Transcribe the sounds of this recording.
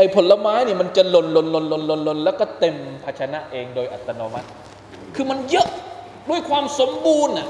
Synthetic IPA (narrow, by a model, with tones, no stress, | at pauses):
ʔa˨˩jpʰo˨˦la˧maː˦˥jni˥˩ma˧nt͡ɕa˨lo˧nlo˧nlo˧nlo˧nlo˧nlo˧nlɛː˦˥wkɔː˥˩t̪e˧mpʰa˧t͡ɕʰa˧na˦˥ʔʔeː˧ŋdoː˧jʔa˨˩t̪ːa˧noː˧ma˦˥t̪̚ | kʰɯː˧ma˧njɤ˦˥ʔ | du˥˩əjkʰwaː˧mso˩˦mbuː˧nːa˨˩